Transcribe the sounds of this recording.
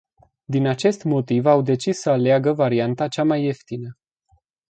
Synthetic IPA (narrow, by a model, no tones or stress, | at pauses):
d̪inat͡ʃe̞st̪mo̞t̪ivawd̪e̞t͡ʃisːəaleaɡəvaɾiant̪at͡ʃamaje̞ft̪inə